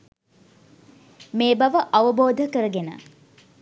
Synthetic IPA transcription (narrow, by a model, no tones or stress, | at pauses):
meːbɐʋəʔɐʋəboːd̪ʱəkəɾəɡenə̰